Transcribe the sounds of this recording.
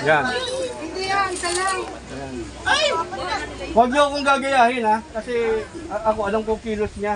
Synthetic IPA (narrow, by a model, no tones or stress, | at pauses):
janɪnd̪iaŋkɐlaŋ | jan | aj | waɡ̚ɲʊɐkoŋɡaːɡɐjaːhɪnakɐsɛɐʔɐkoʔɐnoŋkokiːlosɲa